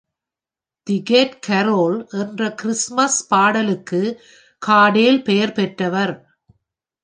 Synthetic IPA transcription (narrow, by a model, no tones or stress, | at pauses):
t̪ɪɡeːʈkʰɐɾoːlʔɛndrɐkɪɾɪsmɐspaːɽɐlɯkːɯ | kʰaːɽeːlpɛjɐɾpɛʈrɐʋɐɾ